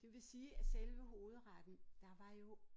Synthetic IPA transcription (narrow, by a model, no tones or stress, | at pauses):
d̥e̝ʋe̝siːæselʋəɦo̝ːð̞̩ˠʁɑd̥nd̥ɑ̈ʋɑ̈jo̝